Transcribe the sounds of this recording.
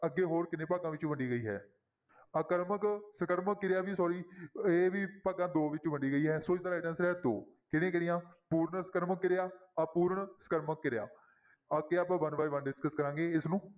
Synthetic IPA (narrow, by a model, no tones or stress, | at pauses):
əɡːeːɦoːɾkɪnẽːpaːɡãːʋɪt͡ʃʋəɳɖiːɡəiːɦɛ̰ː | əkəɾməksəkəɾməkːɪɾjaːʋiːsɔːɾiːeːʋiːpaːɡãːd̪oːʋɪt͡ʃʋəɳɖiːɡəiːɦɛːsoːt͡ʃd̪aːɛːʈənsɾɛːd̪oː | kɪnẽːkɪɽɪjãːpuːɾɳsəkəɾməkːɪɾjaːapuːɾɳsə̥kəɾməkːɪɾeja̰ː | əkːeːaːpãːʋənʋaːiʋənɖɪskəskəɾãːŋɡeːɪsnũː